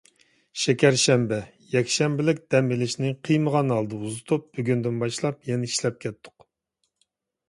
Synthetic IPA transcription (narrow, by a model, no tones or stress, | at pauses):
ʃɛkʲæɾʃɛmbɛ | jɛkʲʃɛmbɪlɪkʲd̪̥ɛmbɪlɪʃnɪqʰɨjməʁɑnɑlˠd̪ɨuzɨt̪ʰup̚b̥yɡʲynd̪ynbɑʃlˠɑpjɛnɛiʃlɛp̚kʲʰɛt̪ʰːʊ̥q